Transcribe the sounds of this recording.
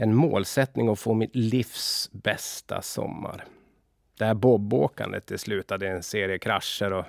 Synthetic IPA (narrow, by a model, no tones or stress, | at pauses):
ɛnmo̰ːlsɛt̪nɪŋɔfoːmɪt̪liːfsbɛst̪ʰa̰sɔ̰mːa̰ɾ | d̪̥ɛæɾboboːka̰nd̪ə̰t̪ʰːɪlslʉ̟ːt̪ad̪əɛnseːɾɪəkʰɾaʂːəɾɔ